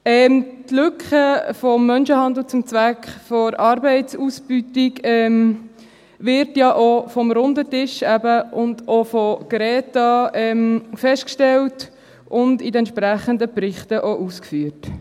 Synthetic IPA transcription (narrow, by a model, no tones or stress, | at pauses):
ɛmtlʏkχəfɔmːœnʃəhɑnd̪l̩t͡sʊmt͡sʋækχfɔɾʔɑɾbɛɪtt͡suːsb̥ytɪɡɛm | ʋɪɾtjɑʔofɔmɾʊndətɪʃæbəʔʊndofɔɡ̥ɾɛːtɑɛmfɛʃtkʃtɛlt | ʔʊndidɛntʃpɾæχənd̪əprɪχtəʔoʔuskfyːt